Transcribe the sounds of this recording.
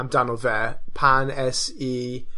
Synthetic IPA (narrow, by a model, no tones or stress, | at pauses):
mdanɔlˠvɛːpʰanɛsiː